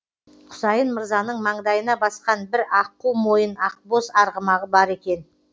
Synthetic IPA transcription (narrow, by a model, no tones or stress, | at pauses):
qʰʊ̥sɑjənməɾzɑnəɴmɑɴd̪ɑjənɑbɑsqɑnbɪɾɑqːuwmo̞jənɑqbo̞sɑɾʁəmɑʁəbɑɾe̞kʲe̞n